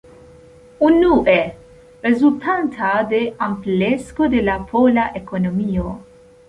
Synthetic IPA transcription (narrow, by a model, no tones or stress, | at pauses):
unːuːʔe | ɾezult̪ʰant̪ʰad̪eampleskod̪elapʰolaʔekonomio